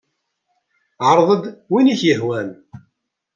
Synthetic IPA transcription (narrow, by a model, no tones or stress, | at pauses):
ʕəɾˤðˤəd̪winiçjəhwæn